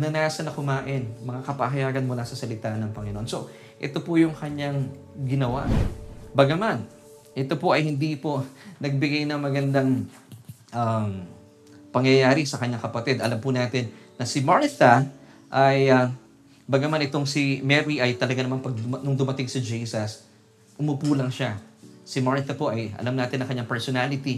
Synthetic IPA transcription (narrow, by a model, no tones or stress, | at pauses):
nɐnasɐnɐkʊmaːʔɪnmɐŋakɐpa̰ɦɐjaːɡɐnmʊlasɐsɐlɪt̪anɐŋpɐŋɪno̰ʔonso̞ | ʔɛt̪o̞pʊjʊŋkɐɲːaŋ | ɡɪnɐwa̰ʔbɐɡɐman | ʔɛt̪o̞po̞ʔɐjhɪnd̪iponɐɡ̚bɪɡajnɐŋmɐɡɐnd̪aŋ | ʔam | pɐŋjɐjaːɾɪsɐkɐɲːaŋkɐpɐt̪id̪ɐlampʊnaːt̪ɪnːɐsɪmaɹt̪ɐ | ʔɐjɐ | bɐɡɐmanʔɪt̪o̞ŋsimɛɾiʔɐjt̪ɐlɐɡanɐmanpɐɡ̚nʊŋd̪ʊmɐt̪ɪŋsɪd͡ʒisɐs | ʔʊmʊpuːlɐŋʃasɪmaɹt̪ɐpo̞ʔɐjʔɐ̰lamnaːt̪ɪnɐŋkɐɲaŋpɛɹsonaːlɪt̪i